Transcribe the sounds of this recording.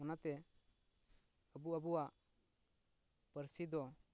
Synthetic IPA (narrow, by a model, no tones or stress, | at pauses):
ɔnat̪ɛ | əbuəbuwaʔ | pəɾsid̪ɔ